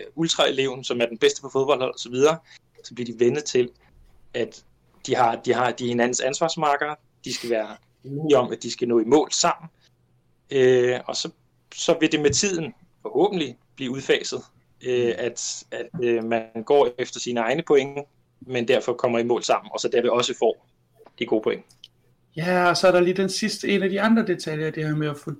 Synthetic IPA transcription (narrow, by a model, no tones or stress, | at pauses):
ulˠt͡sʰʁɑe̝le̝ʊ̰n̩sɒ̽mæɐd̥enb̥esd̥ə̥pʰɒ̽fo̝ð̞ˠb̥ɒ̽ld̥ɒ̽l̰̩ˠsɒ̽ʋið̞ˠɐː | sɒ̽b̥liɐd̥iʋenð̩ˠt͡sʰe̝l | ʔæd̥ | d̥iɦɑ̈d̥iɦɑ̈d̥ihe̝næn̰n̩sænsʋɑ̰̈ːsmɑ̈ːɡ̥ɐ | d̥isɡ̥æʋæːɐ | e̝ːniɒ̽mʔæd̥isɡ̥ænɔ̰ːimɔ̰ːl̥sɑ̈m̰n̩ | øɒ̽sɒ̽ | sɒ̽ʋe̝d̥e̝met͡sʰið̞̰ˠn̩ | fɒ̽hɔ̰ːb̥n̩d̥lib̥liːuðˠfɛ̰ːsð̞̩ˠ | øæd̥æd̥ømænɡ̥ɒ̰ːefd̥ɐsiːnəɑ̈ɪnəpʰoeŋə | mend̥æɐ̰fɒ̽kʰɒ̽m̰ɐimɔ̰̽ːld̥sɑ̈m̰n̩ɒ̽sɒ̽d̥æɐʋeɒ̽səfɒ̰ː | d̥iɡ̥o̝ːpʰo̽e̝ŋə | jæɒsɒ̽æɐɾɑ̈liːd̥ensisd̥əe̝næd̥iɑ̈nd̥ʁɐd̥e̝t͡sʰæljɐd̥ehɐmeæfo